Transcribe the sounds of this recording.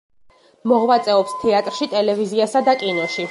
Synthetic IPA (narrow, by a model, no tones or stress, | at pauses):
mɔʁwat̪sʼɛɔpst̪ʰɛat̪ʼɾʃit̪ʼɛlɛviziasad̪akʼinɔʃi